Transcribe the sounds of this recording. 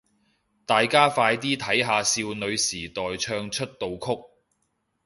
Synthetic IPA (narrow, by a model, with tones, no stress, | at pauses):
t̪aː˨jkaː˥faː˧jt̪̬iː˥t̪ʰɐ˨˥jɦaː˨˧siː˧wnɵ˨˧ɥsiː˨˩t̪ɔː˨jt͡ʃʰœː˧ŋt͡ʃʰɵ˥t̚t̪o˨˧wkʰʊ˥k̚